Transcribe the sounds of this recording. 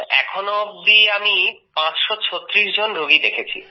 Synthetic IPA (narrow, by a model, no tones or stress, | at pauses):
ɛ̰kʰonod̪iami | pãt͡ɕʃɔt͡ɕʰot̪ːɾiʃd͡ʑonɾoɡid̪ekʰet͡ɕʰḭ